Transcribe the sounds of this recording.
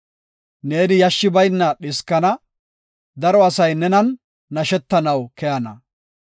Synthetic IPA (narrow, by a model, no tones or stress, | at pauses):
ne̞ːnɪjɐʃːɪbɐjnːɐɗɪskːɐnɐ | d̪ɐɾɔɐsɐjnɛnɐnː | ɐʃɛt̪ːɐnɐwkɛjɐnɐ